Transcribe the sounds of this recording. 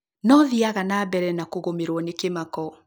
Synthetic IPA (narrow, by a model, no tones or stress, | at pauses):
nɔðiaɣanaːbɛɾɛnakoɣomeɾwɔnekemakɔ